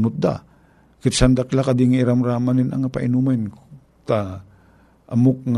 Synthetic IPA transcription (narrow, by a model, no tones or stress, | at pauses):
nʊt̪̚d̪a̰ | kɪt̪sand̪aklakad̪ɪŋaɪɾamɾaːmanɪna̰ŋapa̰ʔɪnuman | t̪a | ʔamok̚ŋ